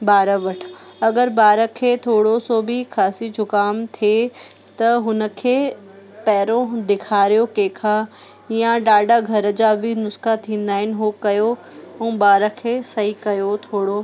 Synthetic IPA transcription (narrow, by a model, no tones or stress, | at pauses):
baːɾəʋɐʈʰɐɡəɾbaːɾəkʰeːt̪ʰoːɽosoːbʱɪkʰaːsid͡ʑʱʊkaːmt̪ʰie | t̪ɐɦʊnə̆kʰeː | pɛːɾõɗ̪ɪkʰaːɾijokeːkʰa | ijãɖaːɖaɡʱɐɾəd͡ʑaːbʱɪnʊskat̪ʰĩːn̆d̪aːɪnɪɦokɐjo | ũːbaːɾəkʰeːsɐɦikɐjot̪ʰoːɽo